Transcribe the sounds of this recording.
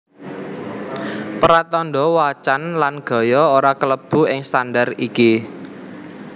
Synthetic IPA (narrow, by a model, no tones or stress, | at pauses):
pəɾat̪ɔnɖɔwat͡ʃanlanɡ̥ɔ̤jɔoɾakələb̥ṳɪŋst̪andariki